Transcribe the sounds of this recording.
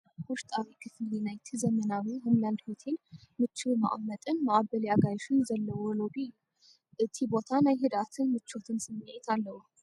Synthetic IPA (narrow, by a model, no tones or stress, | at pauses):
hʊʃt̪ʼawikʰɨfɨlinajt̪ʰzəmənawiɦomland̪hot̪ʰenmɨt͡ʃːɪma̰ʔmːət̪ʼɨnmaʔabəljaɡajʃɨnzəlːəwɔlodi | t̪ʰibot̪ʰanajɦɨd̪at̪ʰɨnmɨt͡ʃːo̞t̪ʰɨnsɨmːɨjajɛt̪ʰalːəhu